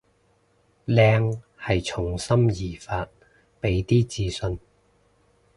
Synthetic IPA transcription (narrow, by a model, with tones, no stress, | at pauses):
lɛː˧ŋ | hɐ˨jt͡sʰʊ˨˩ŋsɐ˥mjiː˨˩faː˧t̚ | pe˨˥jt̪iː˥t͡siː˧sɵ˧n